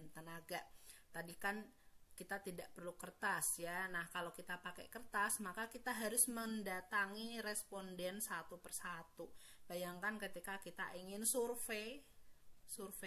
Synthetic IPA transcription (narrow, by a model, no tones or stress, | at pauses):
nt̪ənaɡat̪adikan | kit̪at̪idaʔpərlukərt̪asjanahkalokit̪apakɛ̰kərt̪asmakakit̪aɦaɾʊsməndat̪aŋiɾɛspɔndɛnsat̪upərsat̪u | b̥ajaŋkankət̪ikakit̪a̰ʔiŋɪnsurfe | surfe